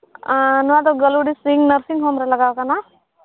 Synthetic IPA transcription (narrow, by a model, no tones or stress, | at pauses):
nʋat̪̬oɡəluɽisɾiŋɡnəɾsĩŋɡɦomɾelɐɡaːʋkana